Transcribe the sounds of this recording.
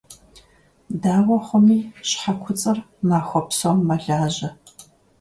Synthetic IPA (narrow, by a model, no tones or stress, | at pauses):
daːwɐχʷʊmiːɕħakʷʰʊt͡sʼɨr | naːxʷɔpsɐmːɐɮaːʑɐ